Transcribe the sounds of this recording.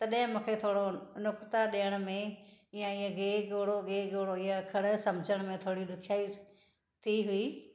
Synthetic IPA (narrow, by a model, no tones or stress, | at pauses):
t̪ɐɗɪɦɪ̃mũːkʰet̪ʰoːɽonʊkt̪aɗeːəɽ̃ʊ̆mẽɪjãɪɦɡeːɡoːɽoɡeːɡoːɽoɪɦakʰɐɽ̆sɐ̃md͡ʒəɽ̃mẽt̪ʰoːɽiɗʊkʰjaːi | t̪ʰiɦʊiː